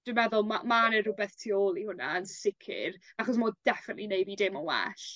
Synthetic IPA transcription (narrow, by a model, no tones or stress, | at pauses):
d̥ɨmɛðʊlˠmamanɛɾʊbɛθtʰioːlˠihʊna̰ənsɪkʰɪ̰ɾaχɔs̬moːd̥ɛfənətlinejbiːdemanwɛ̰ɬ